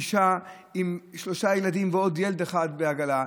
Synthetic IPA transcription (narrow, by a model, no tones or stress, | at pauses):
ʃa | imʃlo̞ʃajelad̪imveo̞d̪jeled̪eχad̪beaɡala